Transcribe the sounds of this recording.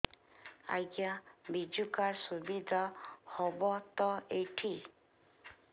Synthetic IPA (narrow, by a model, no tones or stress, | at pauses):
a̰jɡjabid͡ʒukaɾsubid̪ʱahɔbɔt̪ɔeʈʰi